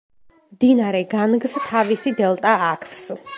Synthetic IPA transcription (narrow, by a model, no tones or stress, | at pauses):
md̪inaɾɛɡanɡst̪ʰavisid̪ɛlˠt̪ʼaːkʰvs